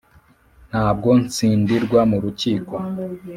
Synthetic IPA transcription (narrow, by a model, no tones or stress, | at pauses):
n̥haːb̚ɡo̞nt͡siːndiɾɡwamuɾuciːkwo